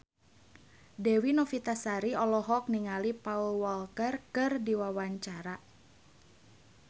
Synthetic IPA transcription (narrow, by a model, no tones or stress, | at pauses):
dɛwinɔfit̪asaɾiɔlɔɦɔk̚niŋalipaulwɔlkərkɨrdiwawaɲt͡ʃaɾa